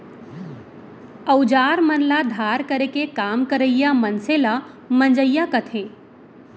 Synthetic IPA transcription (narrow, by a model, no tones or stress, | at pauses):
əʊd͡ʒaːɾmənlad̪ʱaːɾkəɾekekaːmkəɾəjamənsela | mənd͡ʒəjːakət̪ʰẽː